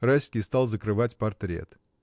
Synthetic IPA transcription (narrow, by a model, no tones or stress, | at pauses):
rasʲkʲijst̪ɑlˠzəkɾɨvatʲpɐrt̪ɾʲḛt̪